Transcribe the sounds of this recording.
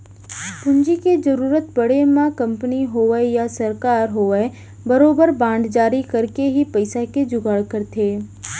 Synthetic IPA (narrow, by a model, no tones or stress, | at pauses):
pʊɲd͡ʒiked͡ʒɐɾuːɾət̪̚bɐɽ̤emãkɐ̃mpəniɦoːʋəjasɐɾkaːɾɦoːʋəe | bɐɾoːbəɾbãːɳɖd͡ʒaːɾikɐɾkeɦipɐɪsaked͡ʒʊɡəɭkəɾt̪ʰeː